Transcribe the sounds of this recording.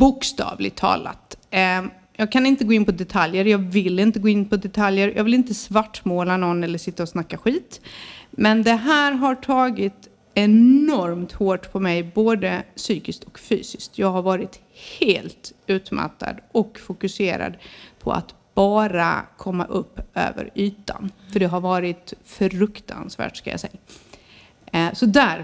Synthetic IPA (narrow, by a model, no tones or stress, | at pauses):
bʊkst̪ɑ̰ːvlɪ̰ɡ̚t̪ʰːɑ̰ːla̰t̪ | jɑːɡkʰanɪnt̪əɡoːɪnpʰɔd̪ɛt̪ʰaljəɾjɑːɡvɪlːɪnt̪əɡoːɪnːpʰɔd̪ɛt̪ʰaljəɾjʔɑːɡvɪlɪnt̪əsvaʈːmoːlanɔnːɛlːəʂɪt̪ːaɔsnakːaɧiːt̪mɛnd̪ɛɦæːɾɦaʈʰɑːɡɪt̪ | ɛnɔɾmt̪hoːʈpʰɔmɛjboːd̪əsyːkɪskt̪ʰɔ̥kfy̰ːsɪ̥skt̪jɑːɡɦaɾvɑːɾɪt̪ | heːlt̪ʉ̟ːt̪ma̰t̪ːa̰d̪ɔkfʊkɵseːɾa̰d̪pʰɔ̰a̰t̪ | b̥ɑːɾa̰kʰɔmːa̰ʔɵpːʔø̰ːvə̰ɾyːt̪a̰nfœɖɛɦaɾvɑːɾɪt̪fœɾɵkt̪ʰa̰nsvæ̰ːʈʂkaja̰sɛjːa | sɔd̪æɾ